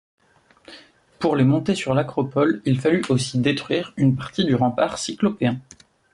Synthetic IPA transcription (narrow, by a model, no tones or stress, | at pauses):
puʁlemɔ̃t̪esyʁlakχɔpɔlilfalyosid̪et̪χɥiːʁynpaʁt̪id̪yʁɑ̃paʁsiklɔpeɛ̃